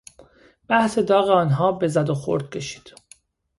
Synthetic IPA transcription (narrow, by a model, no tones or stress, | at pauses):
b̥æhse̞d̪ɒːɣeɒːnɦɒːbe̞zæd̪oxo̰ɾd̪̚cʰʲe̞ʃi̥ːd̪̥